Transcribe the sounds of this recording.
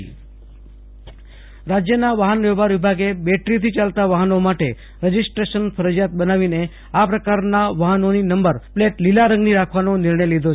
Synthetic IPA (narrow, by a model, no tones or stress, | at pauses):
ɾad͡ʒjənaʋaɦənʋɛbaɾʋibʱaɡebeʈɾit̪ʰit͡ʃalt̪aʋaɦənomaʈe | ɾəd͡ʒisʈɾeʃənfʰəɾəd͡ʒjat̪̚bənaʋine | apɾəkaɾnaʋaɦənoninəmbəɾpleʈlilaɾə̃ŋɡniɾakʰʋanonɪɾɳəjlid̪ʱo